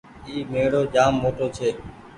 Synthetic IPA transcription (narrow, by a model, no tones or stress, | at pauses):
iːmeːɽoːd͡ʒaːmːoːʈoːt͡ʃʰeː